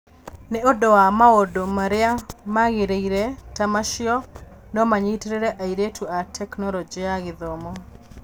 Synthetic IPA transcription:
nɪodɔamaodomaɾɪamaɣeɾeiɾetamaʃɪɔ | nɔmaɲiteɾeɾeʔaiɾetʰuatʰɛknɔlɔd͡ʒiaɣɪðɔmɔ

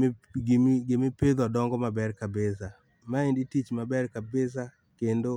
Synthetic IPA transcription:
ɡemepeðɔdɔŋɡɔmabɛrkabesa | maenditit͡ʃmabɛrkabes̬a | kendo

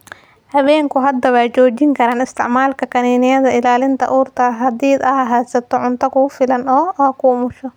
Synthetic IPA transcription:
hɐβɛːŋkʰʊɦɐd̪ːɐβɑːt͡ʃɔːt͡ʃɪŋkʰɐɾaːnɪst̪ʰɪʕmaːlkʰɐkʰɐniːnɪjɐðɐɪlaːlɪnt̪ʰɐ̰ʔuːrt̪ʰɐɦɐd̪iːd̪ɐɐɦaːsɐt̪ʰɔʕʊnt̪ʰɐkʰʊʊfɪlɐnɔːkʰʊʊmʊʃɔ

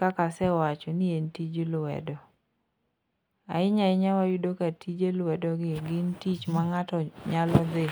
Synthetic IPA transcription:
kakasɛwat͡ʃɔnientid͡ʒelwɛ̰dɔ | a̰ɪɲaɪɲawajudokatʰid͡ʒelwɛdɔɡɪɡɪntit͡ʃmaŋatɔɲalɔd̪ɪ

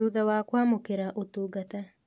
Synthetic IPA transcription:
uðawaːkwaːmokeɾaʔotoɡata

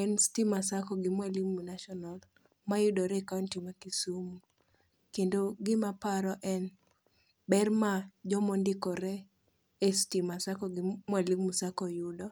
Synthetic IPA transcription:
ɛnstimasakɔɡɪmwaliŋmunaʃɔnal | majudɔɾɛkawntimakisumu | kendoɡɪmapaɾɔʔɛn | bɛrmad͡ʒɔmɔndɪkɔɾɛ | estimasakɔɡɪmwaliŋmusakɔjudɔ

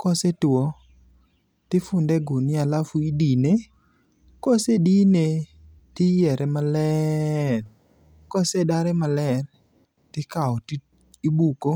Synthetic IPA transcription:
kɔsetwɔ | tɪfʊndɛɡʊnɪalafuidine | kɔsedine | tɪjɛɾʔɛmalɛr | kɔsedaɾɛmalɛr | tɪkaɔt | ibuko

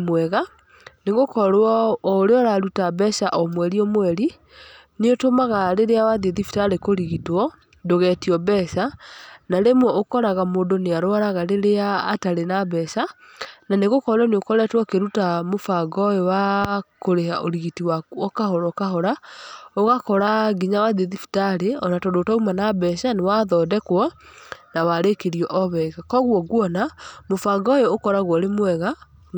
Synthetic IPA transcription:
mwɛɣa | neɣokɔɾwɔːɾeɔɾaɾutabɛsaʔɔmwɛɾiɔmwɛɾi | neotomaɣaɾeɾeawaðeðifi̥taɾekoɾiɣitɔ | doɣɛtiɔbɛsanaɾemwɔokɔɾaɣamoːndoneaɾoaɾaɣaɾeɾeaːtaɾenabɛsa | naneɣokɔɾwɔneokɔɾɛtwɔkeɾutamofaɡɔewakoɾehaʔoɾiɣitiwaɔkaɦɔɾɔkaɦɔɾaoɣakɔɾaɡiɲawaðeðifi̥taɾeɔnatɔdotaumanabɛʃanewaðɔdɛkwɔ | nawaɾekeɾiɔʔɔβɛɣakɔɣwɔɣwɔnamofaɡɔeokɔɾaɣwɔɾemwɛɣa

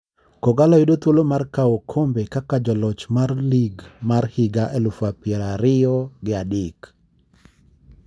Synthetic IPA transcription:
kɔɡalɔidot̪wolomarkaokʰombekakad͡ʒɔlɔt͡ʃmarliɡmarhɪɡaʔɛlufapɪɛɾaɾɪɔɡɪadɪk

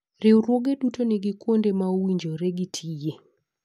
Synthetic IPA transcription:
ɾɪwɾwoɡedutoniɡɪkwondemawiɲd͡ʒoɾeɡitʰije

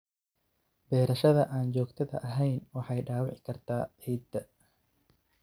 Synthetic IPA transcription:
bɛːɾɐʃɐðɐʔaːnt͡ʃɔːɡt̪ʰɐðɐ̰ʔɐɦɛjnwɑħɑjɖaːwɪʕɪkʰɐrt̪ʰa̰ːʔiːd̪ɐ

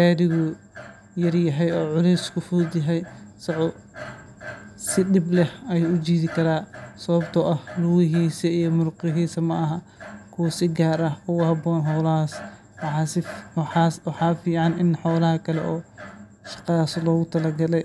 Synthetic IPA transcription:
ɡaːðɪɣɔ | jɐrjɐɦɛjɔːʕʊlɛjskʰʊfʊd̪jɐɦɛjsɐʕʊ | sɪɗɪblɛhɐjuːʊd͡ʒiːðɪkʰɐɾaːsɐβɐbt̪ʰɔʔɐhluɣɪɦiːsɐijɔmʊrqɪɦiːsɐmɐʔɐɦɐ | kʰuːsɪɡaːɾɐkʊɣhɐbɔːnɦɔːlɐɦas | wɑħɑːsɪawɑħaːfiːʕɑnɪnħɔːlɐhɐkʰɐlɛ̰ʔɔː | ʃɑ̥qɑðaːslɔːɣʊt̪ʰɐlɐɡɐlɛj

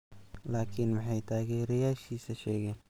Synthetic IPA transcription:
laːkʰɪnmɐħɑjt̪ʰaːɡɛɾɛjaːʃiːsɐʃɛːɣɛːn

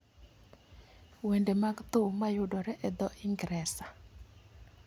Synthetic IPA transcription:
wendemaɡt̪ʊmajʊdɔɾɛʔɛd̪ɔʔɪŋɡɾɛsa

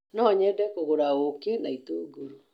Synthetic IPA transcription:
nɔɲɛdɛkoɣoɾaokenaitoːɡuɾu

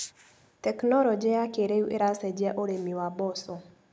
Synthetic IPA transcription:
tɛknɔlɔd͡ʒɛakeɾeuʔeɾasɛd͡ʒiɛʔoɾemiwabɔsɔ

